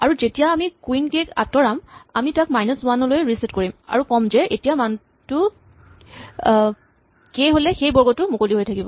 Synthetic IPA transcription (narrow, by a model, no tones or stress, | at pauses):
aɹuzetijaːmikuinkeka̰tɔɹamamitak̚majnɔswanɔlojɹisetkoɹima̰ɹukɔmzɛetijaman | tʊ | keɦolɛxejbɔɹɡɔtʊmokoliɦojtʰakibɔ